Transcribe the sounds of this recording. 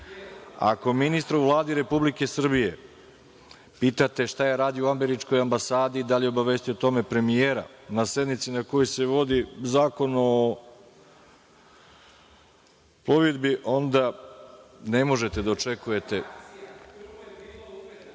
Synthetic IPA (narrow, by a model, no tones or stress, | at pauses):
a̰ko̞minist̪ɾauʋlˠaːd̪iɾe̞publike̞sr̩bije̞ | piːt̪at̪e̞ʃt̪ajaɾaːd̪iouameɾit͡ʃko̞jambasaːd̪iːd̪aliobaʋe̞st̪ujot̪o̞me̞pɾe̞mijeːɾa̰nased̪nit̪sinako̞jose̞ʋo̞d̪izaːko̞nuo | ploʋid̪biʔo̞nd̪a | ne̞mo̞ʒe̞t̪e̞d̪ao̞t͡ʃe̞kuje̞t̪e̞